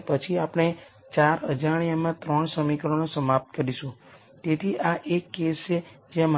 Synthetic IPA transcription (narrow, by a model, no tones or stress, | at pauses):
pət͡ʃʰiapɽ̃e | t͡ʃaɾəd͡ʒaɽ̃ijamãt̪ɾəɳsəmikəɾonosəmap̚t̪̚kəɾiʃũ | t̪et̪ʰiʔaʔekːest͡ʃed͡ʒeam